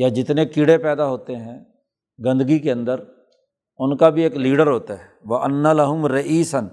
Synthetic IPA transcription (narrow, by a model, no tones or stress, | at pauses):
jad͡ʒɪt̪nekiɽepɛːd̪aɦoːt̪eɦɛ̃ | ɡɐ̃nd̪əɡikeɐ̃nd̪əɾ | ʊnkabʱieːkliːɖəɾɦoːt̪aɦɛ | ʋɐʔɐnːalɐɦʊmɾɐʔiːsən